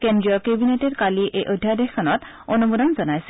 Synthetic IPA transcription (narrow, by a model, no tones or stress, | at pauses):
kendɹiɔkebinetɛɹkaliʔejʔojdʱːad̪ekʰːɔnɔt̪ | onumud̪ɔnzɔnajsɛ